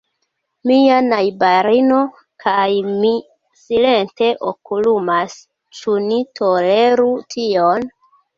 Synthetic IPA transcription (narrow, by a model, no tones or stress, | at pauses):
mianajbaɾino̞ | kʰajmi | sile̞nte̞ʔokulumas | t͡ʃunitʰo̞le̞ɾutʰio̞n